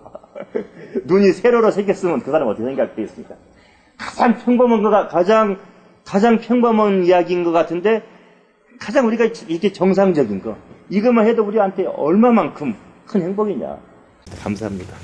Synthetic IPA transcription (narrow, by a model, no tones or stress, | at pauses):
nuɲisʰe̞ɾoɾosʰeɡjʌs͈ɯmjɯnkɯsʰaɾamʌt͈ʌkʰesʰeɡiat͈eis͈ɯmɲik͈a | kad͡ʑaŋpʰjʌŋbʌmʌnɡʌkakad͡ʑaŋ | kad͡ʑaŋpʰjʌŋbʌmʌnijaɡinɡʌk͈atʰɯnde̞ | kad͡ʑaŋuɾiɡaiɾʌkʰe̞t͡ɕʌŋs̬ʰaŋd͡ʑʌɡinɡʌ̰iɡɯmahɦe̞douɾiɡahantʰe̞ʌ̰ɭmamankʰɯm | kʰɯnhe̞ŋboɡiɲa̰ | kamsʰaɦamɲida